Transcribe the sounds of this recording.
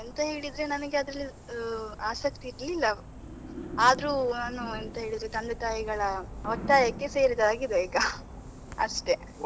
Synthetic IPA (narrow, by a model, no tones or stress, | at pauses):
ent̪ɐɦe̞ːɭid̪ɾe̞nɐnɐɡeɐd̪ɾɐlːi | aːsɐk̚t̪iːɾɐlilːɐ | aːd̪ɾuːnaːnuent̪ɐɦeːɭid̪ɾet̪ɐnd̪ɐt̪aːjiɡɐɭɐɔʈ̪ːaːjɐkːe̞se̞ːɾid̪ɐɾaːɡid̪eːɡɐ | ɐ̰ʂʈe̞